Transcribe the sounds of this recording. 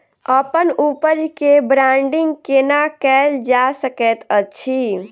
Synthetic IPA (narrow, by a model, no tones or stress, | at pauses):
əpənupəd͡ʒkebɾãɳɖiŋɡkenakɛld͡ʒasəkɛt̪ət͡ʃʰi